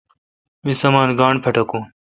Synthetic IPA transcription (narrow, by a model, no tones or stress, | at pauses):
misɐmaːnɡaːɳpʰɐʈɐkũː